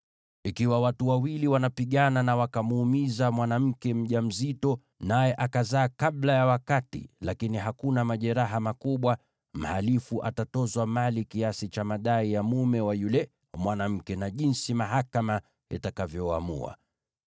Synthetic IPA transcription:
ikiwawatuwawiliwanapiɠananawakamuːmizamwanam̩kɛm̩ʄam̩zitɔ | najɛʔakazaːkaɓlajawakatḭlakiniɦakunamaʄɛɾaɦamakuɓwa | m̩halifuʔa̰tatɔzwamalikiasit͡ʃamaɗaijamumɛwajulɛ | mwanam̩kɛnaʄinsimaɦakama | ḭtakavjɔa̰mṵa̰

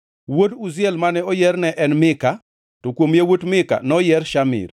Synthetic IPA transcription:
wotuzɪɛlmanɛɔjɛrnɛʔɛnmɪka | tokwomjewotmɪka̰nɔjɛɾʃamɪ̰r

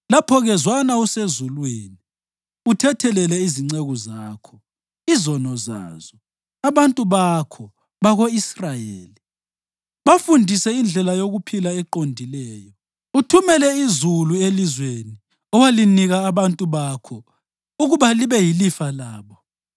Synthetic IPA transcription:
lapʰɔɣɛzwanausezulweːni | utʰɛtʰɛlɛlɛiziŋ͡ǀeɣuzaːkʰɔ | izɔnɔza̰ːz̥ɔ | aβantʼuβakʰɔ | βaɣoisrajeːli | βafundʱisɛind͡ɮʱɛlajoɣupʰilaɛǃondʱilɛːjɔ | utʰumɛlɛizuluelizweni | ɔwaliniɣaːβantʼuβakʰɔ | uɣuβaliβɛjilifalaːβɔ

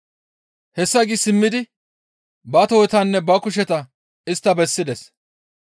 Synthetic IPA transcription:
hɛsːɐɡisɪmːɪd̪ɪ | bɐt̪ɔjt̪ɐnːɛbɐkʊʃ̬ɛt̪ɐ | ɪst̪ːɐbɛsːɪd̪ɛs

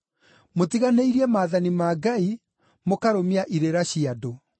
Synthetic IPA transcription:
motiɣaneiɾiɛmaːðanimaːɡai | mokaɾomiaʔiɾeɾaɕiado

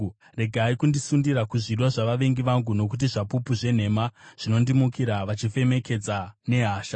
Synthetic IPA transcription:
re̞ɡʱaikundisundiɾakuʐidwoʐaʋaʋe̞ŋɡiʋaŋɡuno̞k̬ut̬iʐapupuʐe̞n̤e̞maʐ̥ino̞ndimukiɾaʋat͡ʃife̞me̞ke̞d͡zane̞ɦaːʃa

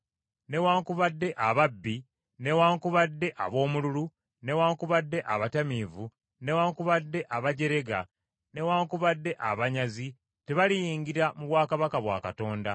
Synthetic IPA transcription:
ne̞waːŋkuβadːe̞ʔaβabːi | ne̞waːŋkuβadːe̞ʔa̰βo̞ːmululu | ne̞waːŋkuβadːe̞ʔaβatamiːvu | ne̞waːŋkuβadːe̞ʔaβaɟe̞ɾe̞ɡa̰ | ne̞waːŋkuβadːe̞ʔaβaɲazi | te̞βalijiːŋɟiɾamuβwaːkaβakaβwa̰ːkato̞ːnda

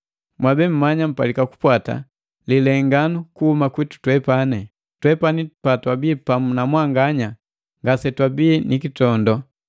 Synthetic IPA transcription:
mwabɛm̩mːaɲam̩palikaku̥pwata̰ | lilɛŋɡanukuhumakwitu̥twɛpanɛ | twɛpanipatwabiːpamunamwaŋɡaɲa | ŋɡasɛtwabinikitɔndɔ

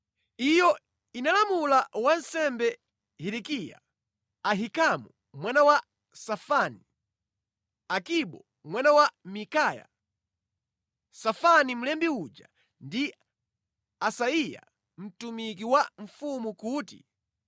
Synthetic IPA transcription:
ijɔ | inalamulawansɛmbɛ | hiɾikija̰ | aɦikamu | mwanawa | safani | akiɓɔ | mwanawamikaːja̰ | safanim̩lɛmbiud͡ʒa̰ | ndi | asaija̰ | m̩tumik̬iwaɱ̩fumukuːtḭ

